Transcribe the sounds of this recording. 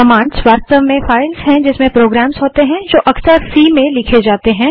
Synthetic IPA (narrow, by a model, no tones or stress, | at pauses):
ɐmãːɳɖsʋaːst̪əʋmẽfaːɪlzɦɛ̃d͡ʒɪsmẽpɾoːɡɾɛːmzɦoːt̪eɦɛ̃d͡ʒoːʔɐksəɾsiːmẽlɪkʰed͡ʒaːt̪eɦɛ̃ː